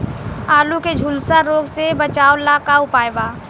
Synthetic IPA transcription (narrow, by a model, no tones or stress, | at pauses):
aːlũked͡ʒʱʊlsaɾoːɡsebət͡ʃaːolakaʊpaːjbaː